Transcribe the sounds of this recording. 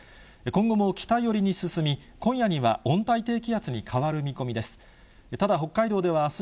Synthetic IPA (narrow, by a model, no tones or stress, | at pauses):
ekõ̞ŋɡo̞mo̞kʲi̥t̪aijo̞ɾʲiɲ̟isɨsɨmʲi | kõ̞ɰ̃jaɲ̟iβa̰õ̞nt̪ait̪e̞ːk̬ʲiat͡sɨɲ̟ikʰaβaɾɯ̟mʲiko̞mʲid̪e̞sɨ̥ | t̪ad̪aɦo̞kːaid̪o̞ːd̪e̞β̞aːs